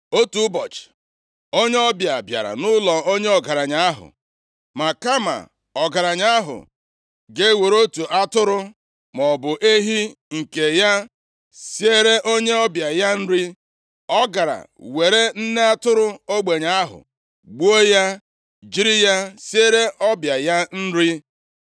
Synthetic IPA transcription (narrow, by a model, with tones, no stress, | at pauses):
o˦tu˦bɔ˨t͡ʃ | o˦ɲe˦ɔ˦bja˨bja̰˨ɾa̰˨nʊ˦lɔ˨o˦ɲe˦ɔ˨ɡa˨ɾa˨ɲa˦a˦ɦʊ̰˨ | ma˨ka˦ma̰˨ | ɔ˨ɡa˨ɾa˨ɲa˦a˦ɦʊ̰˨ | ɡe˦we˨ɾo˦tu˨ʔa˦tʊ˦ɾʊ˦ | mɔ˨bʊ˨ʔe˦ɦi˦ŋ̩˨ke˨ja˦ | sje˦ɾe˦ʔo˦ɲe˦ɔ˦bja˨ja˦n̩˦ɾi˦ | ɔ˦ɡa˨ɾa̰˨we˨ɾe˦n̩˦ne˦a˦tʊ˦ɾʊ˦o˦ɡ͡be˨ɲa˦a˦ɦʊ̰˨ | ɡ͡bu˦o˦ja˦ | d͡ʒi˦ɾi˦ja˦sje˦ɾe˦ʔɔ˦bja˨ja˦n̩˦ɾi˦